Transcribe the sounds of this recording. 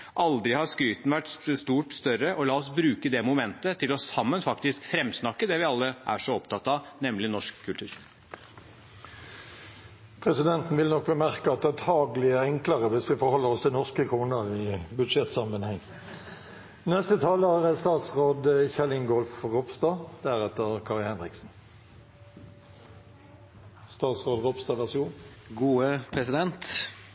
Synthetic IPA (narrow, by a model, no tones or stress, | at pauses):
ʔɑld̪ɾɪhɑɾskɾyːt̪n̩ʋæʈst̪uːʈst̪œɾəʔɔlɑːɔsbɾʉːkəd̪ɛmʊmɛnt̪ət̪ʰɪlɔsɑmːənfɑkt̪ɪskfɾɛmːsnɑkːəd̪ɛʋɪɑlːəʔæ̰ʂɔɔpt̪ʰɑt̪ːɑnɛmlɪnɔʂkʰːʉlt̪ʉːɾ | pʰʁɛsɪd̪ɛnt̪n̩ʋɪlnɔk̚bəmæʁkəɑt̪̚d̪ɛæt̪hɑːɡlɪæɛŋkləʁəʋɪsʋɪfɔɾhɔlːəʁɔst̪ʰɪlnɔskəkʰʁuːnəʁɪbʉd̪ʂɛt̪sɑmənhɛŋː | nɛst̪ət̪ʰɑːləæʁɛst̪ɑːt̪sʁoːd̪çɛlɪŋɡɔlfʁɔbst̪ɑːd̪æʁɛt̪əʁkʰɑʁɪlhɛnʁɪksn̩ | st̪ɑːt̪sʁoːd̪ʁɔbst̪ɑːʋæʁsɪuːn | ɡuːəpʰɾɛsɪd̪ɛnt̪